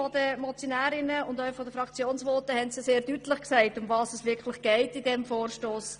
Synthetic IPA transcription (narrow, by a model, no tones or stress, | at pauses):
ɔdəmɔt͡sjonæːɾɪnəʊndœʏfɔdəfɾɑkt͡sjoːnsʋɔːtəhɛntsɪseːɾdytlɪχksɛɪtʊmvɑːsɛsʋɪɾkʰlɪχɡ̥ɛɪtɪdɛmfoːɾʃtoːs